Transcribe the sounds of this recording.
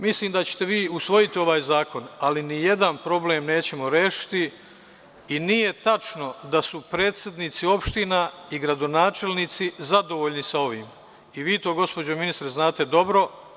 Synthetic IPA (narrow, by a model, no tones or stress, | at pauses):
misliːmd̪at͡ɕe̥t̪e̞ʋiːusʋo̞jit̪io̞ʋaːjzaːko̞nalinijed̪anpɾo̞ble̞ːmne̞ːt͡ɕe̞mo̞ɾe̞ːʃi̥t̪i | inije̞t̪at͡ʃno̞d̪asupɾe̞ːt̪sʲjed̪niːt̪sio̞pʃt̪inaiɡɾad̪o̞naːt͡ʃe̞lnit̪sizad̪o̞ʋoːʎnisao̞ʋiːm | iʋiːt̪o̞ːɡo̞spo̞d͡ʑo̞minist̪ɾeznaːt̪e̞d̪o̞bɾo̞